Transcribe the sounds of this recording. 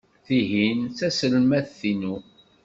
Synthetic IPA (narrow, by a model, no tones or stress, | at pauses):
θiɦinθæsəlmæθθinu